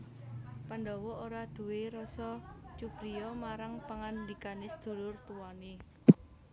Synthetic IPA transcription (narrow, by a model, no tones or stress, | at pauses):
pand̪ɔwɔoɾad̪̥ṳweɾɔsɔt͡ʃub̥ɾijɔmaɾaŋpaŋand̪ikanɪsəd̪̥ṳlʊrt̪uwane